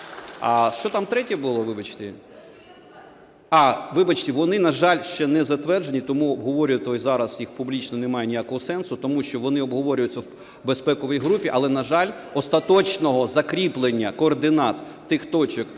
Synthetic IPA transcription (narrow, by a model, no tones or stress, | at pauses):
ɐ̰ʃt͡ʃɔt̪ɑmt̪ɾɛtʲɛbʊlˠɔʋɪbɐt͡ʃt̪ɪ | ɑʋɪbɐt͡ʃt̪ʲɪʋɔnɪnɐʒɑlʲʃt͡ʃɛnɛzɐt̪ʋɛrd͡ʒenʲit̪ɔmuɔbɦɔʋɔɾʲʊjɪt̪ɔzɑɾɐz̥jixpublʲit͡ʃnɔnɛmɑjɛnʲijakɔɦɔsɛnsʊt̪ɔmuʃt͡ʃɔʋɔnɪɔbɦɔʋɔɾʲʊjʊt͡sʲːɐw | bespɛkɔʋijɦɾupʲiʔɐlˠɛnɐʒɑlʲ | ɔst̪ɐt̪ɔt͡ʃnɔɦɔzɐkɾʲiplˠenʲːɐkɔːrd̪ɪnɑt̪ | t̪ɪxt̪ɔt͡ʃɔk